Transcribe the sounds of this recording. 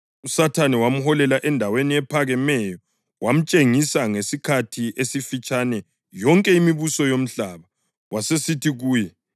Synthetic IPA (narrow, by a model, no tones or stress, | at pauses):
usatʰanɛwam̩hɔlɛlaʔɛndʱaweniɛpʰaɣɛmɛjɔ | wʔam̩t͡ʃʼeŋisaŋesikʰatʰiesifit͡ʃʼanɛ | jɔŋkʼɛimiβusɔjom̩ɬaβa | wasesitʰiɣuːjɛ